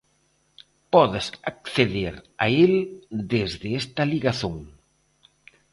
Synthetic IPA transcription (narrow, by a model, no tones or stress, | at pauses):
pɔðɪsakθeðeɾa̰eld̪ezðɪest̪ɐliɣaθoŋ